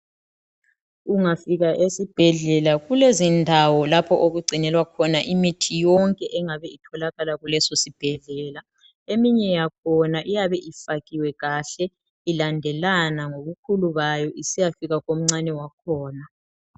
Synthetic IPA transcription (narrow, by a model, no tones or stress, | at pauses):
uŋafiɣaʔesib̥ʱɛɮɛlaɣulezindʱawɔlapʰɔʔoɣuɡ͡ǀʱinɛlwakʰɔnaʔimitʰijɔŋkʼɛʔɛŋaβɛitʰɔlaɣalaɣulɛsosib̥ʱɛɮɛːla | emiɲɛjak̚ʰɔnaʔijaβɛʔifaɣiwɛɣaɬɛ | ilandʱɛlanaŋoβukʰuluβajɔʔisijafiɣaɣom̩ŋ͡ǀanɛwakʰɔːna